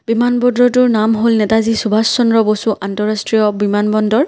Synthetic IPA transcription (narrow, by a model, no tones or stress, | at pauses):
bimanbɔndɔtʊɹnamɦolnɛtazisubʱasːɔnɹɔbosuʔantɔɹastɹijɔbimanbɔndɔɹ